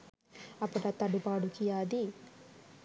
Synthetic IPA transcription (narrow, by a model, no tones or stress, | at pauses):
ɐpːuɽɐt̪ɐɖupaːɽukijaːd̪i